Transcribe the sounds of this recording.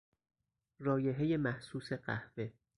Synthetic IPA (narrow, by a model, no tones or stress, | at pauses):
rɒːje̞ɦeje̞mæhsuːse̞ɢæ̰hve̞